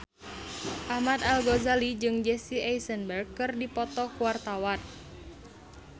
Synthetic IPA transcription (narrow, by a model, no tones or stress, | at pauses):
ʔahmat̪alɡozalid͡ʒɨŋd͡ʒɛsiajsənbərɡ̚kːɨrdipɔt̪ɔkuwart̪awan